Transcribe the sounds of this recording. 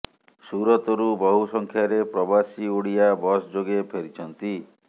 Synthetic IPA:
suɾɔt̪ɔɾubɔɦusɔŋkʰjaɾepɾɔbasioɽijabɔsd͡ʒoɡepʰeɾit͡ʃʰɔnt̪i

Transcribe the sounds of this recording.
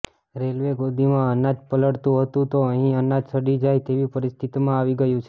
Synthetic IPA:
ɾelʋeɡod̪ʱimãənad͡ʒpələɽt̪ũɦət̪ũt̪oəɦĩənad͡ʒsəɽid͡ʒajt̪eʋipəɾist̪ʰit̪imãaʋiɡəjũt͡ʃʰe

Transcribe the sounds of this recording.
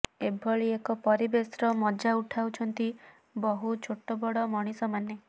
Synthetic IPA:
ebʱɔɭiekɔpɔɾibesɾɔmɔd͡ʒauʈʰawt͡ʃʰɔnt̪i | bɔɦut͡ʃʰoʈːɔbɔɽɔmɔɽ̃isɔmane

